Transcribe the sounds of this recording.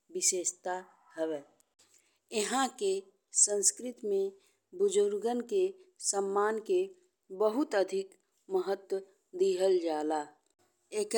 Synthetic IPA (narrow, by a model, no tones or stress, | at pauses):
bɪʃeːʃt̪a | hɛwɛː | ɪɦãke | sə̃nskɾɪt̪mẽ | bʊd͡ʒʊɾɡənkesəmːaːnke | bəɦʊt̪əd̪ʱɪk | məɦət̪wə | d̪iɦəld͡ʒaːlaː | eːk